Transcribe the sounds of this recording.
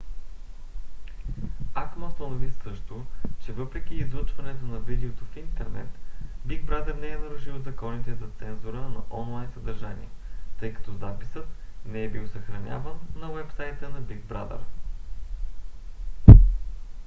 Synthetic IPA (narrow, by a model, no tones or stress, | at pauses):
akmɐst̪ɐnovisɤʃt̪ot͡ʃɛvɤpɾɛk̟iːzlɤt͡ʃvɐnɛt̪onɐvid̪ɛot̪ofint̪ɛɾnɛ̰t̪biɡ̚bɾad̪əɾnɛɛnɐɾʊʒilˠzɐkɔnit̪ɛzɐt̪sɛnzuɾənɐʔɔnlˠajnsəd̪ɐɾʒanḭɛt̪ɤjkɐ̥t̪ɔzapi̥sət̪nɛɛbilˠsɐxɾɐnʲa̰vənːɐwɛpsajt̪ənɐbiɡ̚bɾa̰d̪ɛ̰ɾ